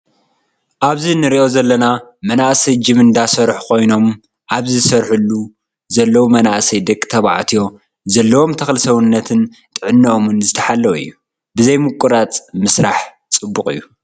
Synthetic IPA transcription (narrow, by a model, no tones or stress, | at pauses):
ʔaβzinɨɾiʔo̞zɐlːɐnamɐnaʔsɐjd͡ʒɨmɨnd̪asɐɾħkʰo̞jno̞m | ʔaβzisɐɾħulːu | zɐlːɐwumɐnaʔsɐjd̪ɐkʼːt̪ʰɐβa̰ʕt̪ʰijo̞ | zɐlːɐwo̞mt̪ʰɐxlsɐwɨnːɐt̪ʰɨn | t̪ʼɨʕɨnːɐʔomɨnzɨt̪ʰɐħalːɐwɨ̰jːu | bɨzɐjmɨkʼuɾat͡sʼmɨsɾaħ | t͡sʼɨbːukʼɨ̰jːu